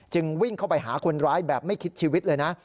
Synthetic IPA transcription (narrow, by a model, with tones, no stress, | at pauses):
t͡ɕɯ˧ŋwi˥˩ŋkʰa˥˩wpa˧jɦa̰ː˩˦kʰo˧nɾaː˦˥jbɛː˨˩p̚ma˥˩jkʰi˦˥t̪̚t͡ɕʰiː˧wi˦˥t̪̚lɤː˧jna˦˥ʔ